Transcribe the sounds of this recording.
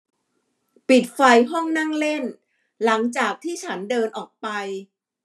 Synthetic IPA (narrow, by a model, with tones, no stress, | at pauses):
pi˨˩t̪̚fa˧jɦɔ˥˩ŋna˥˩ŋle˥˩n | la˩˦ŋt͡ɕaː˨˩k̚t̪ʰiː˥˩t͡ɕʰa˦˥ndɤː˧nʔɔː˨˩k̚pa˧j